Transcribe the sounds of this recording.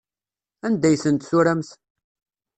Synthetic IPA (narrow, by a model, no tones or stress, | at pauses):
ænd̪æjθənt̪suɾæmθ